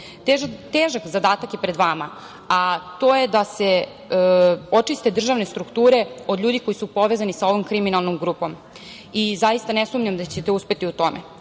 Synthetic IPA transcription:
t̪eːʒakzad̪aːt̪akjepɾed̪ʋama̰ | at̪o̞ːjed̪ase | o̞t͡ʂist̪e̞d̪r̩ʒaʋne̞st̪ɾukt̪uːɾe̞o̞d̪ʎʲuːd̪iko̞jisupo̞ʋezanisao̞ʋomkɾiminalˠnomɡɾuːpom | izajist̪anesumɲamd̪at͡ɕet̪euspe̞t̪iut̪o̞mḛ

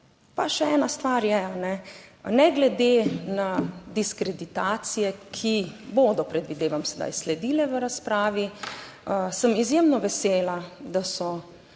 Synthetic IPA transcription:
paʃɛɛːnast̪ʋaːɾjɛanɛnɛɡlɛd̪enad̪iskɾɛd̪it̪aːt̪sijɛkʰiboːd̪ɔpɾɛd̪ʋid̪eːʋamsɛd̪a̰jslɛd̪iːlɛʋəɾaspɾaːʋi | səmizjeːmnɔʋɛseːlad̪asɔ

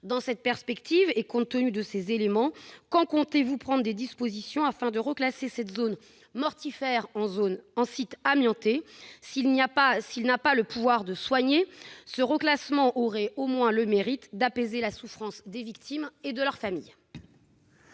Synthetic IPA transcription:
d̪ɑ̃sɛt̪̚pɛʁspɛkt̪ʰivekɔ̃t̪ːənyd̪əsezelemɑ̃kɑ̃kɔ̃t̪evupχɑ̃d̪ʁd̪ed̪ispozisjɔ̃afɛ̃d̪əʁəklasesɛt̪zon | mɔʁt̪ifɛʁɑ̃zonɑ̃sit̪amjɑ̃t̪esilnapasilnapaləpuvwaʁd̪əswaɲesəʁəklasmɑ̃ʔɔʁɛomwɛ̃ləmeʁit̪d̪apezelasufχɑ̃sd̪evikt̪ʰimed̪əlœʁfamḭj

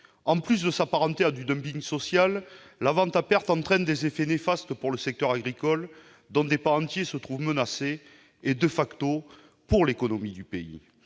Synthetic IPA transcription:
ɑ̃plys̬d̪əsapaʁɑ̃t̪ead̪yd̪œ̃mpiŋsɔsjalː | avɑ̃t̪apɛʁt̪ɑ̃t̪χɛnd̪ezefenefast̪əpuʁləsɛk̚t̪œʁaɡʁikɔl | d̪ɔ̃d̪epaɑ̃t̪jesət̪χuvmənase | ed̪əfakt̪o | puʁlekɔnomid̪ypeḭ

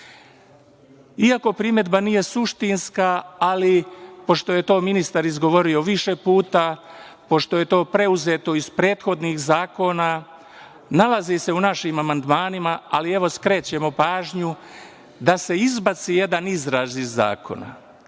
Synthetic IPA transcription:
iako̞pɾime̞d̪banije̞suʃt̪inskaːlipo̞ʃt̪o̞je̞t̪o̞ːminist̪aɾizɡo̞ʋo̞ɾio̞ʋiʃe̞puːt̪a | po̞ʃt̪oje̞t̪o̞ːpɾe̞uze̞t̪o̞ispɾe̞ːt̪xo̞d̪nixzaːko̞ːna | nalazise̞unaʃimamand̪maːnimaalie̞ʋo̞skɾe̞ːt͡ɕe̞mo̞paːʒɲu | d̪ase̞izbat̪sije̞d̪anizɾaːʒiza̰ːkʰo̞̰na̰

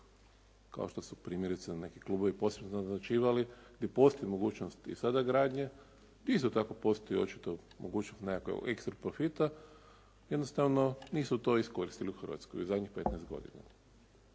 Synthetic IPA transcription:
ka̰o̞ʃt̪o̞supɾiːmʲjeɾit̪senekiklˠuːbo̞ʋipo̞sebnoznazat͡ʃiːʋaliɡ̥d̪je̞po̞st̪oimoɡuːt͡ʃnost̪ḭsad̪aɡɾaːd̪ɲe | ɡd̪jist̪ot̪ako̞po̞st̪ojio̞̰t͡ʃi̥t̪o | mʔo̰ɡuːt͡ʃnost̪nekako̰ɡḛkst̪ɾopɾofit̪a | jed̪nost̪aʋno̞niːsut̪o̞isko̞ɾist̪iliuxr̩ʋa̰t̪skojiuzad̪ʲɲixpet̪nɛest̪ɡo̞̰d̪ḭna̰

